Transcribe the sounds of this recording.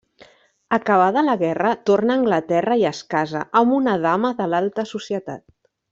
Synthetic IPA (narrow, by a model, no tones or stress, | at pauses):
əkəβaðələɣɛrət̪ornəːŋɡlət̪ɛrəiəskazə̰ʔəmbunəðaməðəlalˠt̪əsusjət̪a̰t̪̚